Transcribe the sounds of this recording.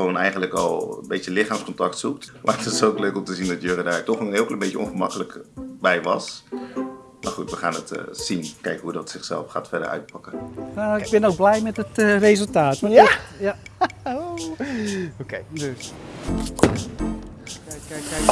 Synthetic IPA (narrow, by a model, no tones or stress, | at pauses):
ʋownɛjχəndləkɑ̰lˠbejtjəlɪχaːmskɔntɑk̚tsuk̚tmʔa̰ətɪsowkløɥkɔmtəzindɑtjørədaːtɔχənɪːlˠklmbejjəɔ̰nfəmɑ̰kələkbɛjʋɑ̰s | mʔaɹχutʋəχaːnətsinkɛjkɦudɔtsɪχsɛlˠfχa̰ːtfɛɹdəɹœ̰ɥt̚pɑkənaɪɡ̚bɪnowɡ̚blɛjmɛtətrezəlˠtaːtʋɔj | oked